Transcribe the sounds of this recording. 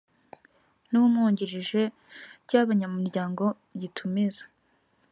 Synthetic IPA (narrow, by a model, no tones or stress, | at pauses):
nuumŋuːɲɟiɾiʒe̞ | ɾɟaβaɲamuɾɟaːŋɡo̞ | ɟitʰumizḁ